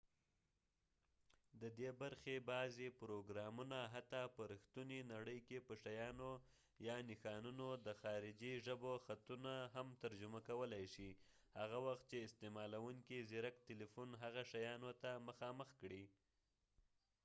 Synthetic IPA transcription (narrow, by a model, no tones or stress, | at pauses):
d̪əd̪ebaɾxebɑzepɾoɡɾɑmunaɦat̪ɑpəɾixt̪uninaɽəjkepəʂajɑno | jɑnɪxɑnunod̪əxɑɾɪd͡ʒiʒəboxat̪unaɦamt̪aɾd͡ʒʊmakawəlajʃi | haɣawaxt̪̚t͡ʃeɪst̪emɑlawuŋkizɪɾakt̪ɪlifunɦaɣaʃajɑnot̪aməxɑməxkɽi